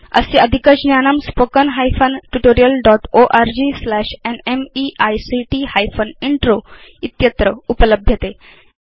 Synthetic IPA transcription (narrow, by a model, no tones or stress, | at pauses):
ə̰seəd̪ʱikəd͡ʑnjanəmspokənɦajfənʈuʈoɾijəlɖɔʈoʔaɾd͡ʑiːslæɕenemiʔajsiʈihajfəniɳʈɾoit̪jət̪ɾəupələbʱjət̪e